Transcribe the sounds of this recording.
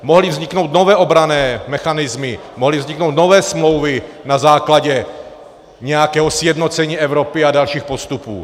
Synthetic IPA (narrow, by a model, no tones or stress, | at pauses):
moɦlivzɲɪkno̞wt̪no̞vɛːʔo̞bɾanɛːmɛxanɪzmɪmoɦlivzɲiknowt̪no̞vɛːsmlo̞wvɪ | nazaːklaɟɛ | ɲɛjakɛːɦosjɛdnot͡sɛɲiːɛvɾopɪadalʃiːxpo̞st̪upṵː